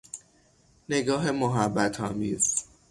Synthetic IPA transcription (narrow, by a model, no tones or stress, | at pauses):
ne̞ɡɒːɦe̞moɦæbːæt̪ʰɒːmiːz